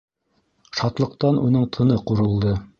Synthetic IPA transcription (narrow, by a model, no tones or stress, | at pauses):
ʃɑt̪lˠɤ̆q̚t̪ɑnʔunɤɴt̪ʰɤ̆nɤquɾɤ̆lˠd̪ɤ